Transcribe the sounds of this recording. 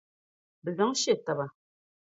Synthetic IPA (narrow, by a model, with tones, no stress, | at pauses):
bə˨lɔ˨˦ŋ˦ʃe˦˨ta˨ba˨